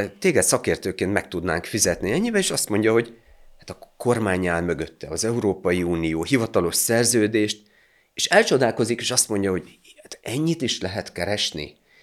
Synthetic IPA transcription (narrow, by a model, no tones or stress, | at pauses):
t̪eːɡɛt̪sɒkeːrt̪øːkeːnt̪mɛk̚t̪ud̪naːŋkfizɛt̪niɛɲːibɛeːʃɒst̪mo̞ɲɟɒɦo̞ɟ | hat̪ɒko̞rmaːɲːaːlmøɡøt̪ːɛ̰ɒzɛuɾoːpɒjiuːnijoːɦivɒt̪ɒlo̞ʃsɛrzøːd̪eːʃt̪ | eːʃɛlt͡ʃo̞d̪aːlko̞zikeːʃɒst̪mo̞ɲɟɒɦo̞ɟ | at̪ɛɲːit̪iʃlɛɦɛt̪kɛɾɛʃnḭ